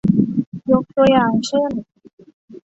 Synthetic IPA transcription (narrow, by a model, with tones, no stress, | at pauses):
jo˨˥k̚t̪u˧əjaː˨˩ŋt͡ɕʰɯ˥˩n